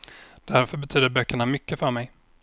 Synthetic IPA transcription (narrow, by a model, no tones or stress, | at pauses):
d̪̥æɾfœɾbɛt̪ʰyːd̪əɾbœkːəɳamʏkːəfœɾmɛj